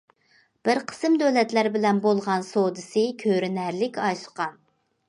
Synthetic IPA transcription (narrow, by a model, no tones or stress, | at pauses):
b̥ɪɾqʰə̥sɨmd̪øwlɛt̪læɾbɪlɛnbolˠʁɑnsod̪ɨsɨkʲʰøɾɪnæɾlɪkʲɑjsʊ̥qʰɑ